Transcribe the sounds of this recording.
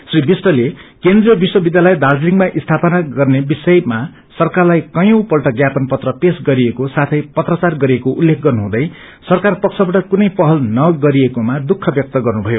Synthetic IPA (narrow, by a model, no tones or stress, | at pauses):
sribisʈʌlekend̪rijʌbiswʌbid̪jalʌjd̪ard͡zliŋɡmaʔist̪ʰapʌnaɡʌrnebisʌjma | sʌrkarlajkʌjõwpʌlʈʌɡjapʌnpʌt̪rʌpesɡʌɾiekosat̪ʰʌjpʌt̪rʌt͡sarɡʌɾiekoʔulːekʰɡʌrnuɦũd̪ʌj | sʌrkarpʌk̚sʰʌbaʈʌkunʌjpʌɦʌlnʌɡʌɾiekomad̪ukʰːʌbjʌk̚t̪ʌɡʌrnubʱʌjo